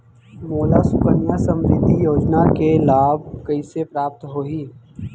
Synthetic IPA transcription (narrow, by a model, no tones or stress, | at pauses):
moːlasʊkənjasə̃mɾɪd̪ʱːijoːd͡ʒnakelaːb̚kɐisepɾaːp̚t̪ɦoːiː